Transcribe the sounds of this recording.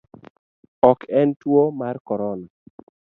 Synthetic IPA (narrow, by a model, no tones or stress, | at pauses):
ɔkʰɛntwomarkɔɾɔna